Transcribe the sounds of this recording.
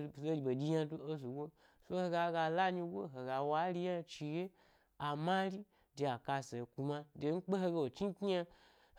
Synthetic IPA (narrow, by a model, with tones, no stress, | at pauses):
e˦i˧bo˨dʲi˧ja˧du˦o˦zu˨ɡo˦ | so˦he˧ɡa˧˦ɡa˧la˦ɲi˧˦ɡʷo˦ɦe˨ɡa˨wa˦ɾʲi˧˦ja˦t͡ʃi˧je˦ | a˨ma˦ɾi˦ | de˧a˨ka˧se˨ku˧ma˧de˧˦ŋ͡m̩˦k͡pe˦ɦe˧ɡe˧wo˨t͡ʃi˦kʲi˦a˧